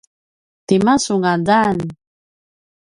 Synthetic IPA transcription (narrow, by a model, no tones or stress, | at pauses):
t̪imasuŋadan